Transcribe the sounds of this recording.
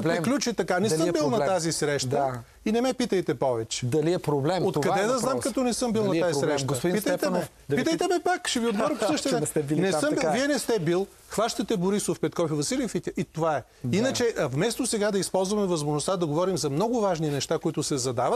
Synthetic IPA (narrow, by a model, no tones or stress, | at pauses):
lɾiklʲut͡ʃit̪ɐkanɛsəbilˠnɐt̪azisɾɛʃt̪ə | inɛmɛpit̪əjt̪ɛpɔvɛt͡ʃɛ̥d̪ɐliɛpɾoblɛmot̪kɐd̪ɛd̪ɐznamkɐt̪ɔnɛsɤmbilˠnɐt̪azitsɾɛʃɡosɐpʊd̪inpist̪əjɛft̪ɛnmɛf | d̪pit̪əjt̪ɛmɛpakʃɛviod̪ɡɔɾɐpsɤʃt̪ɛɛnɛst̪ɛbilnɛsəmviɛnɛst̪ɛbilˠ | xvaʃt̪ɐt̪ɛboɾisofpɛt̪kɔfivɐsilifit̪ʲəʔit̪ovaɛ | inət͡ʃɛʔvmɛst̪osɛɡad̪ɐispɔlˠzvɐmɛvəzmoʒnost̪ad̪ɐɡovɔɾimzɐmnɔɡʊvaʒninɛʃt̪akoit̪ʊsɛzɐd̪avɐt̪